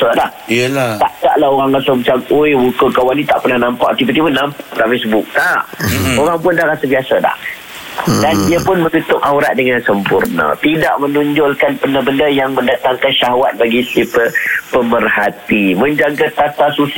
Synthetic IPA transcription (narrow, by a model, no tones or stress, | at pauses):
ədah | t̪aʔt̪a̰ʔlaɦoɣaŋlasəmət͡ʃamojwukəkawanĩt̪a̰ʔpərnahnampa̰ʔt̪ipət̪ipənampaʔt̪aʔfes̬əbʊk̚t̪aʔoɾaŋpʊndahɾasəbiasada̰h | dandiəpʊnməɡut̪ʊkauɾat̪̚dəŋansəmpurnə̰t̪ida̰ʔmə̃nuɲd͡ʒʊlkanpəndəbəndəjaŋməndat̪aŋkanʃaɦawat̪̚baɡisipəpəmərhat̪iməɲd͡ʒaɡat̪at̪asus